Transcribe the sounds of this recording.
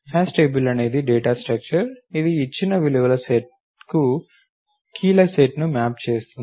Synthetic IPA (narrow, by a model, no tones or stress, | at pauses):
haːsʈeːbilɐne̞ːd̪iɖeːʈaːsʈɾɐk̚t͡ʃɐɾid̪iːt͡ʃːinɐʋiluʋɐlɐseʈ̚ | ku | kʰiːlɐseʈnumaːp̚t͡ʃe̞ːst̪uni